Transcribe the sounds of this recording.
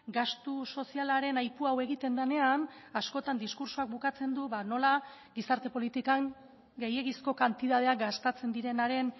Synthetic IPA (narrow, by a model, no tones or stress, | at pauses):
ɡast̪uso̞sialaɾe̞najpuawe̞ɣit̪e̞nd̪ane̞an | asko̞t̪and̪iskuɾsuak̚bukat͡se̞nd̪uβano̞la | ɡisaɾt̪e̞po̞lit̪ikaŋ | ɡe̞je̞ɣisko̞kant̪iðað̞e̞akɡast̪at͡se̞nd̪iɾe̞naɾe̞n